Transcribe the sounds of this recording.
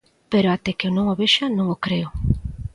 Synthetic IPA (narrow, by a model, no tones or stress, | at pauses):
peɾoat̪ɛkeonõŋoβeʃanõŋokɾeʊ